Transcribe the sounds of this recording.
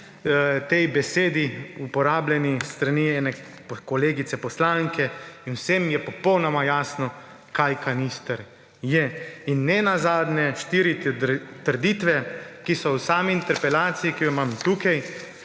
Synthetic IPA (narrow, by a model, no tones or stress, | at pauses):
t̪ɛjbɛseːd̪iupɔɾaːblʲjɛnist̪ɾaniɛːnɛ | kɔleːɡit̪sɛpɔslaŋkʰɛinwsɛmjɛpɔpɔwnɔmajaːsnɔ | kajkanist̪ɛɾ | jɛinːɛnazaːd̪njɛʃt̪iːɾit̪əɾd̪it̪ʋɛkisɔwsaːmiːnt̪ɛɾpɛlaːt̪sijikijɔmamt̪uːkaj